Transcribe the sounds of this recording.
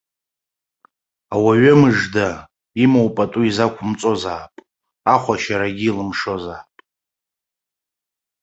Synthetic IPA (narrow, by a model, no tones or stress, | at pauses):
awaɥɨmɨʐda | imowpʼatʼuizakʷʰʊmt͡sʼo̞zaːpʼ | aχʷaʃaɾaɡʲiːlɨmʂo̞zaːpʼ